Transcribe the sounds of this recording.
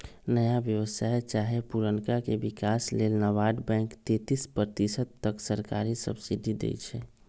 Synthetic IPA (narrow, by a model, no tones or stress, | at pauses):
nəjaʋjəʋəsaːet͡ʃaːɦepuɾənkakebɪkaːsleːlnəʋaːɖbɛ̃ːŋkt̪et̪ispɾət̪isət̪ːəksəɾkaːɾisə̰bsid̪ʱid̪ḛjt͡ʃʰɛ